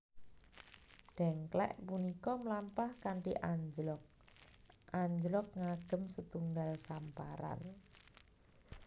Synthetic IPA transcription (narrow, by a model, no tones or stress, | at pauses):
ɖ̥ɛ̤ŋklɛ̰ʔpunikɔməlampahkaɳʈiʔaɲd͡ʒlɔk̚ | ʔaɲd͡ʒlɔk̚ŋaɡ̥ə̤msət̪uŋɡalsampaɾa̰n